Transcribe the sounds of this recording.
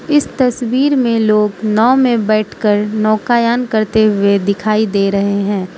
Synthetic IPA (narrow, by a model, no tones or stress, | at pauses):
ɪst̪ɐswiːɾmẽloːɡnɔːmẽbɛːʈʰkəɾnɔːkajaːnkɐɾt̪eɦʊed̪ɪkʰaːid̪eːɾɐɦeɦɛ̃ː